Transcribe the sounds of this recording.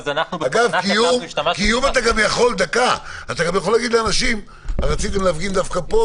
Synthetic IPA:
naɡavkijumkijumat̪aɡamjaχo̞ld̪akaat̪aɡamjaχo̞lːaɡid̪leanaʃim | aʁat͡sit̪emleafɡind̪afkapo

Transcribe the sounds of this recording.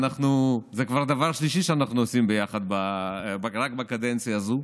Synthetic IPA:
naχnuzekvaʁd̪avaʁʃliʃiʃeanaχnuosimbejaχad̪babaʁakbakad̪ent͡sijaːzu

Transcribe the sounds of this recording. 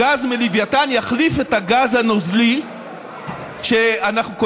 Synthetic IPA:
azmelivjatanjaχlife̞taɡazhanozli | ʃeanaχnuko

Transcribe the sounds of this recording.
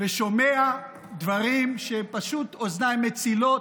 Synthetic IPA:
veʃo̞mea | d̪vaʁimʃepaʃut̪oznamet͡silo̞

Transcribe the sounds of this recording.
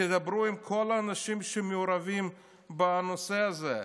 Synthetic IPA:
ed̪abɾuimkʰo̞laːnaʃimʃemeuɾavim | beanoseaze

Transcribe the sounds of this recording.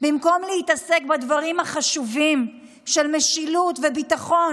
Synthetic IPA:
bimko̞mlehit̪ase̞kbad̪vaʁimhaχaʃuvim | ʃelmeʃilutvebit̪aχo̞

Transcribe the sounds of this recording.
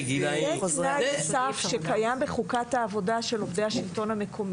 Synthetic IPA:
jeʃnajsafʃekajambeχukataːvo̞daʃe̞lovde̞jhaʃilto̞nhame̞kʰo̞mi

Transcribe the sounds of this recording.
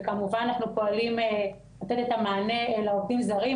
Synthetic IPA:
kamuvananaχnupo̞alime | lat̪et̪e̞t̪amaːnelaovtimzaʁi

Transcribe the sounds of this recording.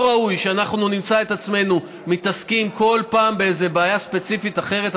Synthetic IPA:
ʁaujʃeanaχnunimt͡saet̪at͡sme̞nu | mit̪askimko̞lpaːmbeejze̞beajaspe̞t͡sifit̪aχe̞ʁe̞t̪

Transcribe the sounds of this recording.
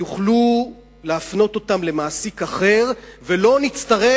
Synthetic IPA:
uχlu | leafno̞to̞tamle̞maːsikaχe̞ʁvelo̞nit͡st̪aʁe

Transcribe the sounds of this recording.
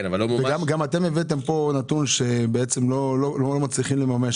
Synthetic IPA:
navalːomveɡamɡamat̪e̞mevet̪̬e̞mpo̞nat̪unʃe̞beet͡semlolololomat͡sliχimlemameʃ

